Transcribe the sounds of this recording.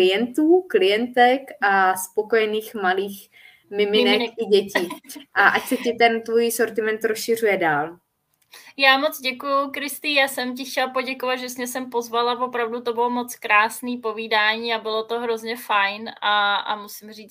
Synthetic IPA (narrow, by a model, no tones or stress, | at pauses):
ɪjɛnt̪uːklɪjɛnt̪ɛkaspokojɛniːxmaliːx | mɪmɪnɛkɪɟɛciʔaʔacsɛcɪt̪ɛnt̪vojso̞ɾt̪ɪmɛnt̪ɾosʃɪr̝ujɛdaːl | jaːmot͡sɟɛkujʊkɾɪst̪ɪjaːsɛmc̬ɪxcɛlpo̞ɟɛkovat̪ʒɛsɲɛsɛmpo̞zvalavo̞pɾavdut̪o̞bɪlomo̞t͡skɾaːsniːpo̞viːdaːɲiːabɪlo̞t̪o̞ɦɾo̞zɲɛfajnʔaa̰musɪmriːt͡s